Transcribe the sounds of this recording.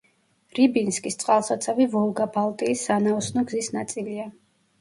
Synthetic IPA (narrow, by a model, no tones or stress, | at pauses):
ɾibinskʼist̪sʼqʼalˠsat̪sʰavivɔlˠɡabalˠt̪ʼiːsːanaɔsnɔɡzisnat̪sʼilia